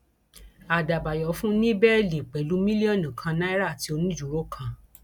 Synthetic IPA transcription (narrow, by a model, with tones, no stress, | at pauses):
a˨da˨ba˨jɔ˨˦fũ˦nĩ˦bɛ˦˨li˨k͡pɛ˨˦lu˨˦mĩ˦li˦ɔ˦˨nĩ˨kʰã˧nã˦ɾa˦˨ti˧o˧nũ˦d͡ʒu˨ɾo˦˨kʰã˧